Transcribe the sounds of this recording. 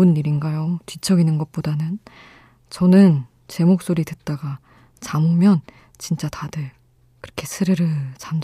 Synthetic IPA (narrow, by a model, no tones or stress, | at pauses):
ɯnːiɾinɡajot͡ɕit͡ɕʰʌɡinɯnɡʌt̚p͈odanɯn | t͡ɕʌnɯn | t͡ɕe̞mok̚s͈oɾidɯt̚t͈aɡa | t͡ɕamomjʌn | t͡ɕint͡ɕ͈atʰadɯɭ | kɯɾʌkʰe̞sʰɯɾɯɾɯɭt͡ɕam